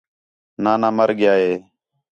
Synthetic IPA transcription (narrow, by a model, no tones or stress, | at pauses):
naːnãːməɾɠɪjaːɦeː